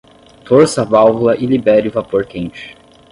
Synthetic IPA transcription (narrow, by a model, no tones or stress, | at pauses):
t̪oɾsavawvulɐʔɪlibɛɾɪʊvapoɾkẽnt͡ʃɪ̥